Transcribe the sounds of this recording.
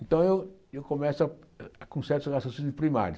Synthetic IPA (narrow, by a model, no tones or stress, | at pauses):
ẽnt̪ɐ̃w̃ewewkomɛsa | akũsɛɾt̪ɣasũsũɪpɾima̰ɾjɐ